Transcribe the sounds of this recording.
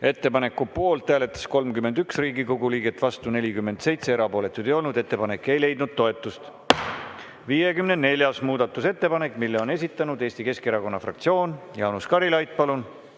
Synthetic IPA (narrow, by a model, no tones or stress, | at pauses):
e̞t̪ːe̞pɑne̞kːˑupo̞ːlt̪ːæːle̞t̪ːˑɑ̥sko̞lmkymːend̪yksriːɡiko̞ɡuliːɡ̥e̞t̪ːˑvɑst̪une̞lʲikymːe̞nd̪̥se̞jt̪se̞eɾɑpo̞ːlet̪ːˑud̪ejo̞lnud̪e̞t̪ːe̞pɑne̞kːˑe̞jle̞jd̪̚nud̪̥̚t̪ːo̞e̞t̪ːˑust̪ | viːjekymnene̞lʲjɑsmuːd̪̥ɑt̪ːˑuse̞t̪ːe̞pɑne̞kːˑmilːeo̞ne̞s̬ʲit̪ˑːɑnud̪e̞ːst̪ike̞ske̞ɾɑko̞nːɑfrɑ̰kt̪sio̞ːnjɑwnuskɑɾilɑjt̪̚ːˑpɑlun